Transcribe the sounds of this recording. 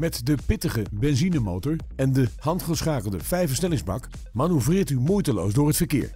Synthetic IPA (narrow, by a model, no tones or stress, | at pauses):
mɛtdəpɪtəχəbɛnzinəmowtɔɹ | ɛndəɦɑntχəsχaːkəlˠdəv̥ɛjfəsnɛlɪŋzbɑ̰k | maːnyvrɪːɹtymujtəlowzdʊːɹɦətfəɹkɪ̰ːɹ